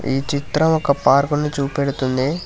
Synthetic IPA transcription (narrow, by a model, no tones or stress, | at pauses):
ḭːt͡ʃit̪ɾɐmɔkːɐpaːɾkunːit͡ʃuːpeɽut̪und̪i